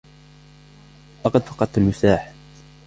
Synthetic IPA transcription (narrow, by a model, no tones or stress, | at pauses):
ʔɑqɑd̪fɑ̥qɑd̪̚t̪almʊsaːħ